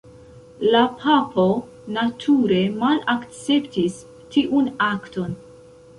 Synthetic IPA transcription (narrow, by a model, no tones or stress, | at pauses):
lapʰapʰo̞ | natʰuɾe̞malakt͡se̞ptis | tʰiʔunakto̞n